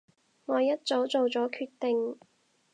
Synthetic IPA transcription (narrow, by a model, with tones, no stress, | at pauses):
ŋɔː˨˧jɐ˥t̚t͡so˨˥wt͡so˨wt͡sɔː˨˥kʰyː˧t̚t̪e˨ŋ